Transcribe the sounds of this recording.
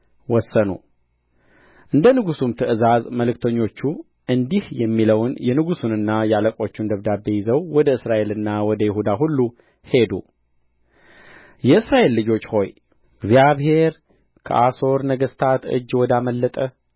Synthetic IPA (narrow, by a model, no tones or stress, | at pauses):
wɔsːənṵ | ʔɨnd̪ənɨɡusumt̪ʰɨʔɨzazməlɨkt̪ʰəɲːo̞t͡ʃːu | ʔɨnd̪ihjɛmːiləwnjɛnɨɡusunɨnːajaləkʼo̞t͡ʃːund̪əβd̪abejɪzəwwɔd̪əɨsɾaʔe̞lɨnːawɔd̪əjɪhud̪aɦulːu | he̞d̪ṵ | jɛɨsɾaʔe̞lːɨd͡ʒo̞t͡ʃːho̞j | ɡziaβhe̞ɾ | kʰə̰ʔaso̞ɾnəɡəst̪ʰat̪ɨ̰d͡ʒwɔd̪aməlːət̪ʼə